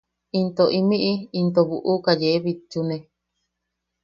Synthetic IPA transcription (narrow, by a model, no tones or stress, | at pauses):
int̪oʔimĩʔiint̪oβṵʔukajeeβit͡ʃunẽ